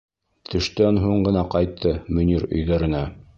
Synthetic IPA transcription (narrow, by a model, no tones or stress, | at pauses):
t̪ʰɵ̆ʃt̪ænɦuɴɢɤ̆nɑqɑjt̪ʰːɤmɵ̆niɾɵ̰̆jðæɾɘ̆næ